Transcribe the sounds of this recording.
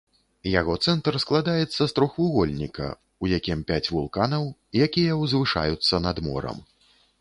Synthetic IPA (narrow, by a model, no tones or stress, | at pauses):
jaɣɔt̪sɛnt̪rsklˠad̪ajɛt̪sːɐst̪ɾɔxvuɣɔlʲnʲikɐ̰ | ujakʲimpʲat͡sʲvulˠkanɐwjakʲijɐwzvɨʂa̰jut̪sːɐnɐd̪mɔ̰ɾɐ̰m